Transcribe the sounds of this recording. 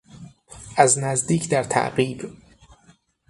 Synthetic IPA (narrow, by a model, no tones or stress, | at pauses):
ʔæznæzd̪iːcʰd̪æɾt̪ʰæ̰ʔɢiːb